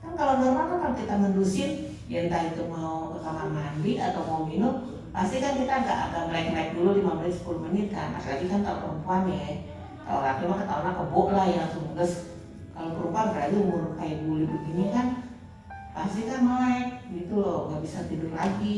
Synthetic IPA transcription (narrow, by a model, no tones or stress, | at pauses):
kankalobənərmak̪apat̪it̪amandusin | jaŋt̪adit̪umawkamamambiʔat̪awmaminʊm | past̪ikankit̪aɡa̰ʔa̰daməlaɪk̚naik̚dululimaməlɪt̪sə̥pulumənɪt̪̚ka̰na̰tilaɡikankalopəɾəmpuanaɛ | ka̰lo̰lakimakət̪aɔnlakəbɔʔlahjaŋsumləs | kalopəɾupanbəɾad͡ʒamuɾkajiʔɡulibiɡinikan | past̪ikanmlaik̚ɡit̪ulɔŋɡaʔbisat̪idʊrla̰ɡi